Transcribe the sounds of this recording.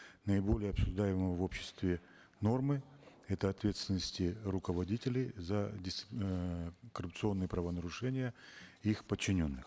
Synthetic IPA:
nəɪbo̞lʲɪjəɐpsʊʐd̪ajɪməəvo̞pɕːɪ̥st̪vʲɪ | no̞rmɨ | ɛt̪əɐt̪vʲe̞t̪st̪ʲɪnːəsʲtʲɪrʊkəvɐdʲitʲɪlʲɪjzədʲɪs | kərʊp̚t̪sɨo̞nːɨjəpɾəvənəɾʊʂɛnʲɪjəixpət͡ɕːɪnʲo̞nːɨx

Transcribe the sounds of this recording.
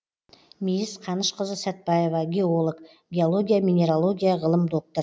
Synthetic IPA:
mijɪsqʰɑnəʃqəzəsæt̪̚bɑje̞vɑɡʲe̞o̞lˠək | ɡʲe̞olˠo̞ɡʲijamʲinʲe̞ɾolˠo̞ɡʲijɑʁəlˠəmd̪o̞k̚t̪əɾ

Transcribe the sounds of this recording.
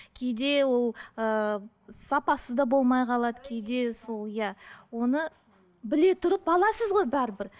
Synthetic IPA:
kʲʰe̞jd̪e̞wo̞lˠə | sɑpɑsəd̪ɑbo̞lˠmɑjqʰɑlˠɑd̪əkʲʰejd̪e̞so̞lˠjæwo̞nə | bɪle̞t̪ʰʊɾəpɑlˠɑsəzʁo̞jbæɾɪbɪɾ

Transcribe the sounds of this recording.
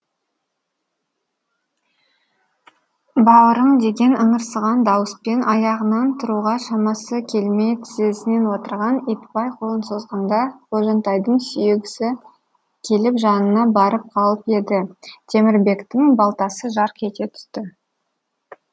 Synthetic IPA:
bɑwəɾəɴd̪e̞ɡʲe̞nʔəɴəɾsəʁɑnd̪ɑwəspe̞nʔɑjɑʁənɑnt̪ʰʊɾuʁɑʃɑmɑsəkʲʰe̞lmejt̪ʰɪzesɪne̞nwo̞t̪əɾʁɑnet̪pɑjqʰo̞lˠənso̞zʁɑnd̪ɑqʰoʒɑnt̪ɑjd̪əɴsyjeɡʲɪsɪ | kʲʰe̞lɪpʒɑnənɑbɑɾəp̚qʰɑlˠəpe̞d̪ɪt̪ʰe̞mɪɾbe̞kt̪ɪŋbɑlˠt̪ɑsəʒɑɾqʲʰe̞t̪et̪ʰʏ̥st̪ɪ

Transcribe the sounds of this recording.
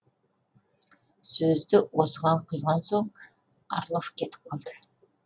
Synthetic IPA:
sɵzd̪ɪwosəʁɑɴqʰʊjʁɑnsoɴ | ɑ̰ɾlˠofkʲʰe̞t̪ʰɪ̥p̚qʰɑlˠd̪ə

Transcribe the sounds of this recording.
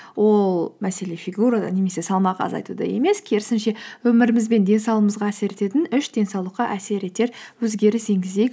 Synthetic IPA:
wo̞lˠmæse̞le̞fiɡuɾad̪ɑ̰ne̞me̞se̞sɑlˠmɑqɑɑ̰zɑ̰jt̪ud̪ɑ̰je̞̰me̞skʲʰe̞ɾɪsɪnʃe̞wɵmɪɾɪmɪzbe̞nd̪e̞nsɑwlˠəməzʁɑːse̞ɾe̞t̪e̞t̪ɪnʏʃd̪e̞nsɑwlˠəqːɑʔæse̞ɾe̞t̪e̞ɾwɵzɡʲe̞ɾɪse̞ŋɡʲɪzd̪ek

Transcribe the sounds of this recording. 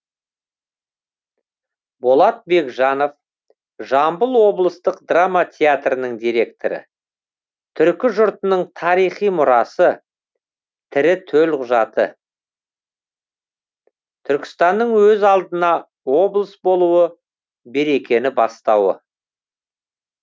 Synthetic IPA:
bolˠɑt̪̚be̞kʒɑno̞f | ʒɑmbəlˠwo̞blˠəst̪əqd̪ramat̪ʲʰeat̪rənəɴd̪ijɾe̞k̚t̪oɾɪ̰ | t̪ʰʏɾkʲɪʒʊɾt̪ənəɴt̪ʰɑɾijχijmʊɾɑsə | t̪ʰɪɾɪt̪ʰɵlqʰʊʒɑt̪ə̰ | t̪ʰʏɾkʲɪ̥st̪ɑnːəɴwɵzɑlˠd̪ənɑ | wo̞blˠəsbo̞lˠuwə | be̞ɾe̞kʲe̞nɪbɑst̪ɑwə̰

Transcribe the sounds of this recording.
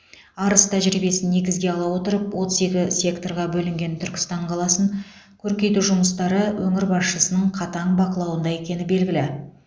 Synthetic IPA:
ɑɾəst̪ʰæʒɾibe̞sɪnːe̞ɡʲɪzɡʲe̞ɑlˠɑwo̞t̪əɾəpwo̞t̪əze̞kʲɪsʲe̞kt̪o̞rʁɑbɵlɪŋɡʲe̞nt̪ʰʏɾkʲɪ̥st̪ɑɴqʰɑlˠɑsəɴ | kʲʰɵɾkʲe̞jt̪uʒʊməst̪ɑɾəwɵŋɪɾbɑsʃəsənəɴqʰɑt̪ɑɴbɑqəlˠɑwənd̪ɑe̞kʲe̞nɪbe̞lɡʲɪlɪ

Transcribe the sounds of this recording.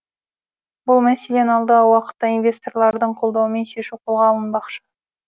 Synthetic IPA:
bʊlˠmæsele̞nɑlˠd̪ɑwɑqə̥t̪ːɑinvʲe̞st̪o̞rlˠɑɾd̪əɴqʰo̞lˠd̪ɑwəme̞nʃe̞ʃuwqʰo̞lˠʁɑːlˠənbɑqʃə̥

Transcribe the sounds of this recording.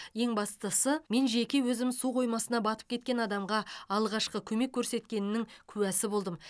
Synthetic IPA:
je̞ŋbɑst̪əsəme̞nʒe̞kʲewɵzɪmsuqʰo̞jmɑsənɑbɑt̪ə̥p̚kʲʰe̞t̪̚kʲe̞nɑd̪ɑmʁɑɑlˠʁɑʃqəkʲʰɵme̞kʲʰːɵɾse̞t̪kʲe̞nɪnɪŋkʲʰʉwæsɪbo̞lˠd̪əm

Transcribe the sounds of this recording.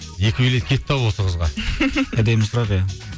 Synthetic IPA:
je̞kʲɪbelet̪̚kʲʰe̞t̪ːʰɑwwo̞səʁəzʁɑæd̪e̞mɪsʊɾɑqjɑ

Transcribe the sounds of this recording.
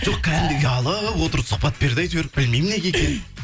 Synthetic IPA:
ʒ̥o̞qkʲʰæd̪ɪmd̪ɪjɑlˠəwo̞t̪əɾəsʊχpɑt̪̚be̞ɾd̪ɑjt̪bɾ̚bɪlmejmɪnekʲekʲen

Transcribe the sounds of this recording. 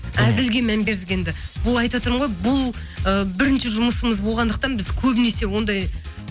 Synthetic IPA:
æzɪlɡʲe̞mæmbe̞ɾd̪ɪkʲe̞nd̪ɪbʊlˠɑjt̪ɑt̪əɾmʁojbʊlˠ | əbɪɾɪnʃɪʒʊməsəməzbo̞lˠʁɑnd̪əq̚t̪ɑnbɪzkʲʰɵbɪne̞se̞wo̞nd̪ɑj

